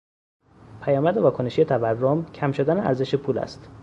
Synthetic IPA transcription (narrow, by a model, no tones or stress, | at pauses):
pʰæjɒːmæd̪evɒːkʰoneʃije̞t̪ʰæværːomcʰæmʃo̞d̪æneæ̰ɾze̞ʃepʰuːlæ̰st̪